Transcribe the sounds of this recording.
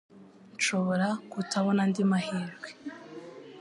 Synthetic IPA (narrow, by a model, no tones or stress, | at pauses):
nt͡ʃo̞βo̞ɾakutʰaβo̞nandimahiːɾɡwe